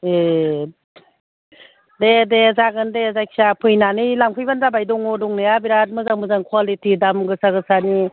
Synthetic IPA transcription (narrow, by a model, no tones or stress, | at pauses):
e | dedezaɡɯndezajksapʰɯjnanɯjlaŋpʰɯjbanzabajdɔŋɔdɔŋnɯjabiɾat̚mɯzaŋmɯzaŋkʰwalitidamɡɯsaɡɯsani